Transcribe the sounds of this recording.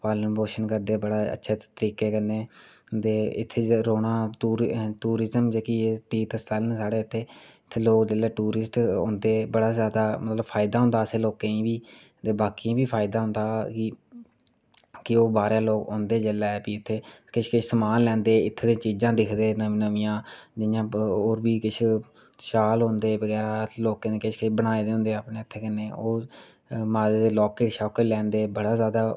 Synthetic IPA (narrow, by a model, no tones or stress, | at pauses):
paːlnːboːʃənkəɾd̪eːbəɽaːə̰tːʃʰeːt̪əɾiːkeːkənːeːd̪eːɪt̪ʰːeːɾoːɽaːʈuːɾʈuːɾɪzəmd͡ʒeːkiet̪iːt̪əsalnːsaːɽeːɪt̪ʰːeːɪt̪ʰːeːloːkd͡ʒəːleːʈuːɾɪsʈõ̰ːnd̪eːbəɽaːzjaːd̪aːmət̪ləbpʰaːɪd̪aːɦʊ̃nd̪aːəseːloːkẽːĩːbiː | d̪eːbaːkiːĩːbiːpʰaːɪd̪aːɦʊ̃nd̪aːkɪ | kɪoːbaːɾjãːloːkɦʊ̃ːnd̪eːd͡ʒelɛːpiːʊt̪ʰːeːkɪt͡ʃʰkɪt͡ʃʰsəmaːnlɛ̃ːnd̪eːɪt̪ʰːeːd̪ẽːt͡ʃiːd͡ʒãːd̪ɪkʰd̪eːnənəʋijãːd͡ʒɪjãːoːɾbiːkɪt͡ʃʰ | ʃaːlɦõnd̪eːbəɡɣɛːɾaːloːkãːneːkɪt͡ʃʰkɪt͡ʃʰbəɽ̃aːed̪eːɦʊ̃nd̪eːaːpneːɪt̪ʰːeːkənːeːoː | maːd̪eːd̪eːlɔːkeːʈʃɔːkəlɛ̃ːnd̪eːbəɽaːzjaːd̪aː